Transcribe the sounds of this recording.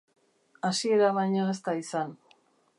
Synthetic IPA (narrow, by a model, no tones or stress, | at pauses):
asie̞ɾaβajɲaest̪aisan